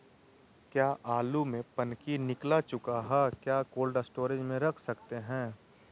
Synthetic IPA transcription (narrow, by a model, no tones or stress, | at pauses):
kjaːʔaːlumẽpɐnkinɪklat͡ʃʊkaɦɛːkjaːkoːlɖsʈoːɾed͡ʒmẽɾɐkʰsɐkt̪eɦɛ̃ː